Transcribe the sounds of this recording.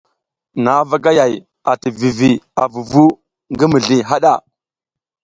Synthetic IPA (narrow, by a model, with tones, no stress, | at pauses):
na˨˦va˦ɡa˦ja˨j | a˨ti˨vi˨vi˨a˨vu˨vu˦ | ŋɡi˦mi˨ɮi˨ɦa˦ɗa˦˨